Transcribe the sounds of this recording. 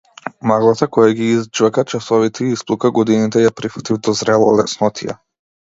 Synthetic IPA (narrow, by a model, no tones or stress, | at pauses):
maɡlˠat̪akɔjaɡiizd͡ʒvakat͡ʃasɔvit̪ɛiisplˠukaɡɔd̪init̪ɛjapɾifḁt̪ivd̪ɔzɾɛlˠɔ̰lɛsnɔt̪ʰija̰